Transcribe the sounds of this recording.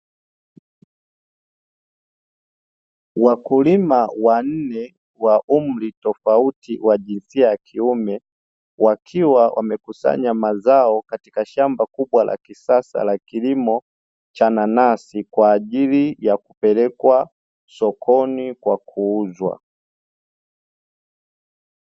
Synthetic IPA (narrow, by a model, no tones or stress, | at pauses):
wakulimawan̩nɛ | waʔum̩litɔfautiwaʄinsiajakʰiumɛ | wakʰiwawʔa̰mɛkusa̰ɲamazaɔkati̥kaʃambakuɓwala̰kisasa̰lakilimɔ | t͡ʃananasikwaːʄilijakupɛlɛkwa | sɔkʰɔnikwakʰuuzwa̰